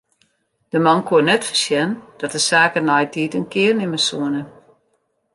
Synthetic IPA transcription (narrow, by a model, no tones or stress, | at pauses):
d̥əmɑnkʰuənɛtfə̥sjɛnd̥ɔtəsaːkənɔjtiːtənkɪərnɪməsuənə